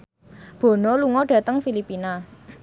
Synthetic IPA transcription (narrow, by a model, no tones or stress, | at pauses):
b̥o̤nɔluŋɔɖ̥ä̤t̪əŋfilipina